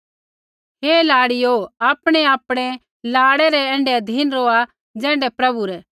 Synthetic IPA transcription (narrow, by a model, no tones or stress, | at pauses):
ɦeːlaːɽɪjoaːpɽ̃ɛaːpɽ̃ɛ | laːɽɛɾɛɛ̃ːɳɖɛɐd̪ʱiːnɾoːa | d͡zɛ̃ːɳɖɛpɾɐbuɾɛ